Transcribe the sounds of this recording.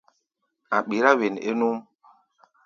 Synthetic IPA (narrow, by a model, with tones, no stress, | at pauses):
a˨ɓi˨ɾa˦we˨nḛ˦nu˦m